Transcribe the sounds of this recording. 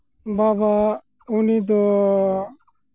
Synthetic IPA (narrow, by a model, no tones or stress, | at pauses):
baːba | uniːd̪o